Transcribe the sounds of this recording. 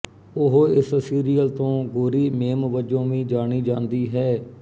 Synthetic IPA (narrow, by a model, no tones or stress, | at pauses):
ʊɦɪssiːɾijəlt̪õːɡʊɾiːmeːmʋəd͡ʒõːʋĩːd͡ʒaːɽ̃iːd͡ʒãːnd̪iːɦɛː